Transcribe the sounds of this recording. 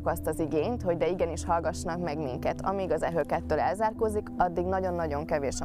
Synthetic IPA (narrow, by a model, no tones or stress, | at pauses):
kɒst̪ɒziɡeːɲt̪ho̞ɟd̪ɛiɡɛniʃhɒlɡɒʃːnɒkmɛɡmḭŋkɛt̪ɒ̰miɡɒzɛɦøːkɛt̪ːøːlɛlzaːrkoːzikɒd̪ːiɡnɒɟo̞nːɒɟo̞ŋkɛveːʃ